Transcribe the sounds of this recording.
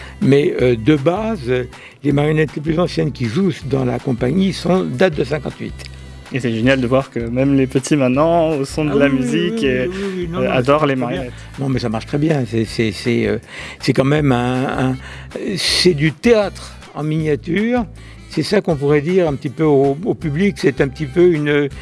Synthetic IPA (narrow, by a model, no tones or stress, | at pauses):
mɛød̪əbazø | lemaʁjɔnɛt̪leplyzɑ̃sjɛnkʲiʒusd̪ɑ̃la̰kɔ̃paɲisɔ̃d̪at̪̚d̪əsɛ̃kɑ̃t̪ɥḭt̪ | esɛʒenjald̪əvwaʁkəmɛmlepət̪ʰimɛ̃nɑ̃osɔ̃d̪əlamyzikwiwinɔ̃ad̪ɔʁlemaʁjɔnɛt̪nɔ̃mɛsamaʁʃt̪χɛbjɛ̃sɛsɛsɛø̰sɛkɑ̃mɛmɛ̃ɛ̃ | sɛd̪yt̪eat̪χ | ɑ̃miɲjat̪yːʁ | sɛsakɔ̃p̬uʁɛd̪iʁɛ̃pət̪ipøoopybliksɛt̪ɛ̃pət̪ipøyn